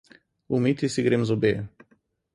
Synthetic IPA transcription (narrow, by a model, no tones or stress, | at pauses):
umit̪isiɡɾemzɔbeː